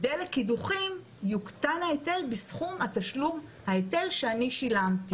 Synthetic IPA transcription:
delekiduχim | juktanhaete̞lbisχumhat̪aʃlum | haete̞lʃeaniʃilamti

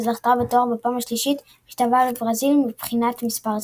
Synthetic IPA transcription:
zlaχt̪avat̪oʁbapaːmaʃliʃit | ʃt̪avalebʁazilmibχinat̪mispaʁz

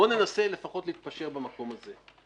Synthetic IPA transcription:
one̞nase̞le̞faχo̞t̪liit̪̚paʃe̞ʁbamako̞maze̞

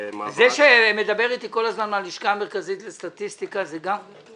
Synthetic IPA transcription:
zeʃeme̞d̪abe̞ʁit̪iko̞lazmanmaliʃkaːmeʁkazit̪lest̪at̪ist̪ikazeɡam

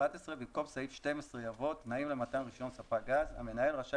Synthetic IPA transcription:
at̪esʁebimko̞msahifʃte̞mesʁejavo̞t̪naimle̞mat̪anʁiʃo̞nsafaɡaza̰me̞naelʁaʃa

